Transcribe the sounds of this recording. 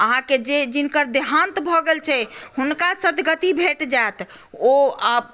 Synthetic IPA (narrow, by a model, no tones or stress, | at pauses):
əɦãked͡ʒed͡ʒinkəɾd̪eɦãnt̪bʱɔɡelt͡ʃʰɛhunkasət̪ɡət̪ibʱeʈd͡ʒaet̪ʰ | oəb